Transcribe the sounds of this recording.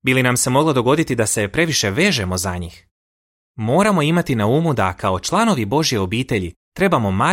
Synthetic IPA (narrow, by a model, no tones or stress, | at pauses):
bilinamse̞mo̞ɡlˠod̪o̞ɡo̞d̪it̪id̪ase̞pɾe̞ʋiʃe̞ʋe̞ːʒe̞mo̞zaɲiːx | mo̞ːɾamo̞imat̪inauːmud̪akao̞t͡ʃlˠano̞ʋibo̞ʒje̞o̞biːt̪e̞ʎi | t̪ɾe̞bamo̞ma